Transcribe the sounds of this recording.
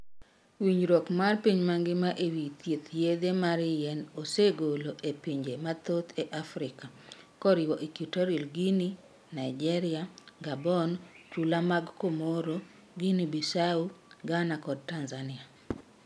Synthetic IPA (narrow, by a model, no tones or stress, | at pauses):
wiɲɾɔkmarpiɲmaŋɡɪmaʔewit̪jet̪jed̪emaɾɪjɛnoseɡoloʔepiɲd͡ʒemat̪ot̪ʰeʔafɾɪka | kɔɾɪwɔʔikitɔɾilɡini | naid͡ʒɛɾɪaɡabɔnt͡ʃulamaɡkomoɾo | ɡinibisauɡanakɔd̚tanzanɪa